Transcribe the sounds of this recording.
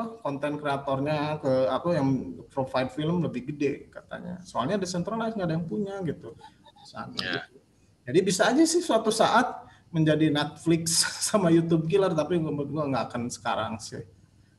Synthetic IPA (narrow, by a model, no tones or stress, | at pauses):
kɔnt̪ɛnkɾeat̪ɔrɲakəapajaŋpɾofaid̚filəmləbɪhɡədɛka̰t̪a̰ɲa̰soalɲaːdasɛnt̪ɾalajsŋɡaːdajaŋpuɲaɡit̪usa̰a̰na̰ɡit̪u | d͡ʒadibisaːd͡ʒasɪhsuat̪usaʔat̪̚ | məɲd͡ʒadinɛt̪̚flɪksːamajut̪ub̚k̬ilərt̪apiɡmbət̪̚ɡuaŋɡaːkansə̥ka̰ɾa̰ŋsɪ̰h